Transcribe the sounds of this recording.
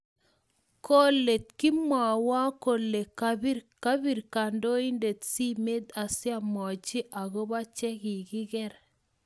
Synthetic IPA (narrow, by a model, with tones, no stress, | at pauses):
ko˦le˨t̪̚ki˦mwa˨wa˦ko˨le˨kabi˦ka˦bi˨ɾka˨ndo˦i˦nde˨tsi˦me˦d̪a˨sja˦˨mɔ˨d͡ʒi˦ʔa˨ɡo˦ba˦t͡ʃɛ˦ki˨ɡɪ˦ɡɛ˦ɾ